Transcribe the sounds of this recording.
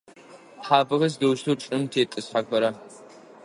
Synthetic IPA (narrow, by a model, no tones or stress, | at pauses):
ħaːbɨʁɐz̬dɐwʃtʰoːʈ͡ʂʼɨmtʰeːtʼɨsħakʷɐɾɐ